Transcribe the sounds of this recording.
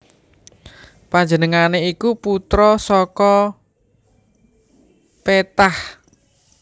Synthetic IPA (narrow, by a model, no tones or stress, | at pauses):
paɲd͡ʒənəŋaneikuput̪ɾɔsɔkɔ | pet̪ah